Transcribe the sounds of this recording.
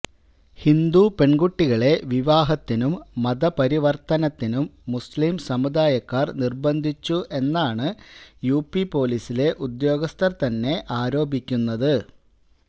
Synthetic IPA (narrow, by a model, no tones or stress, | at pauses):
hind̪upe̞ɳɡuʈːiɣɐɭe̞ʋiʋaːɦɐt̪ːinumːɐðɐpɐɾiʋɐrt̪ɐnɐt̪ːinumːuslimsɐmud̪aːjɐkːaːrnirbɐnd̪ʱit͡ɕːuʔe̞nːaːɳɨjuːpipo̞ːlisile̞ʔud̪jo̞ːɡɐst̪ɐrt̪ɐnːe̞ʔaːɾo̞ːbʱikʲːunːɐðɨ